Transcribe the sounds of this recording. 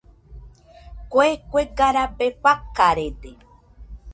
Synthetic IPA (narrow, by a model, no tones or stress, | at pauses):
kʷekʷeɡaɾabeɸakaɾed̪e